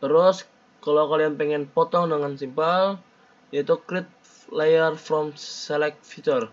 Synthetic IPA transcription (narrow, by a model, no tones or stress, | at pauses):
t̪əɾʊs | kalawkalianpɛŋɛnpɔt̪ɔŋdəŋansimpal | jait̪ukɾɪt̪̚ | lejərfɾɔmsɛlɛk̚fit͡ʃər